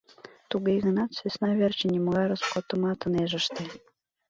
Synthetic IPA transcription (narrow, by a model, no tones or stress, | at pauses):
t̪uɣeɣə̆nɑt̪svesnɑβʲert͡ɕenʲemoeɾəskot̪omɑt̪ɤneʒə̆ʃt̪e